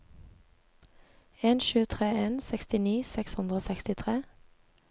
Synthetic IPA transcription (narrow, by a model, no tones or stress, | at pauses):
eːnʃʉːt̪ʰʁeːeːnsɛkst̪ɪniːsɛkshʉnd̪ʁəoːsɛkst̪ɪt̪ʰʁeː